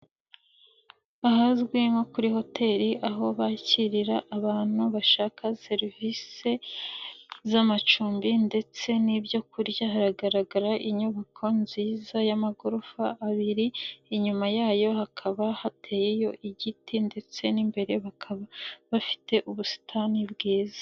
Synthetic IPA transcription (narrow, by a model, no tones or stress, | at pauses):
aɦazɡweŋo̞kuɾiho̞tʰe̞ːɾiʔaɦo̞βaciɾiɾaʔːβaːn̥huβaʃaːkase̞ɾivise̞ | zamat͡ʃuːmbinde̞t͡se̞nibjo̞kuɾjaɦaɾaɡaɾaɡaɾaʔiɲuβakʰo̞nziːzajamaɡuɾufaʔːβiɾiːɲumajaːjo̞hakʰaβahatʰe̞ːjejo̞ʔiɟitinde̞t͡se̞nimbe̞ɾe̞βakʰaβaβafi̥te̞ʔuβusi̥tʰanibɡeːzḁ